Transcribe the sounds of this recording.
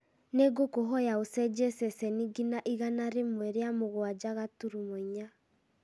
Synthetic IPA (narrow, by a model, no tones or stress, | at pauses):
neɡokoɦɔjaosɛd͡ʒɛsɛsɛniɡinaʔiɣanaɾemwɛɾeamoɣwad͡ʒaɣatuɾumoɲa